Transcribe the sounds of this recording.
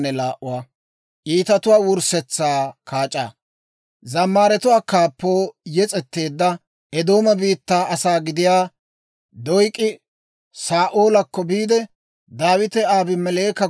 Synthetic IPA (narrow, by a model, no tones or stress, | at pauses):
nːɛlaːʔʊwaː | ʔiːt̪ɐt̪ʊwaːwʊɾsɛt͡sːaːkaːt͡ʃʼa̰ː | zɐmːaːɾɛt̪ʊwaːkaːpːo̞ːjɛt͡sʼɛt̪ːe̞ːd̪ːɐ | ʔɛd̪o̞ːmɐbiːt̪ːaːɐsaːɡɪd̪ɪjaː | d̪ɔjkʼːɪ | saːʔoːlɐkːɔbiːd̪ɛ | d̪aːwɪt̪ɛaːbɪmɛleːkɐ